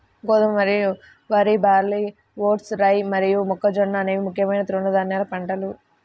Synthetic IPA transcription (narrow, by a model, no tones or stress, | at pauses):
ɡɔːsɐmmɐɾiju | ʋaːɾibaːɾli | ʋoːʈsɾɐjmɐɾijumɔkːɐd͡ʒɔɳːaːneːʋimukʰːjɐmɐjnɐt̪ɾoɳːɐd̪aːnjaːlɐpɐɳʈɐlu